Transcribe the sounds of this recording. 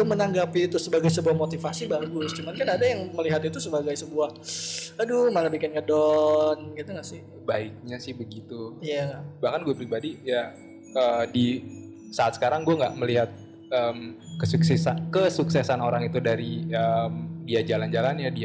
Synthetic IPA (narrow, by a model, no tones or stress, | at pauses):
ɡamənaŋɡapit̪ʊsəbaɡajsəbuahmot̪ifasibaɡʊst͡ʃumankanadajaŋməliɦat̪it̪usəbaɡajsəbuahadʊmalabikɪnɲadɔnɡit̪uŋɡaʔsɪh | baɪk̚ɲasɪhbəɡit̪uijaŋabahkanɡuapəɾibadija | əːdi | saat̪̚sə̥kaɾaŋɡuaŋɡaʔməliɦat̪̚ | əmkəsuksɛsankəsuksɛsanoɾaŋit̪udaɾiəmdiad͡ʒaland͡ʒalanɲadia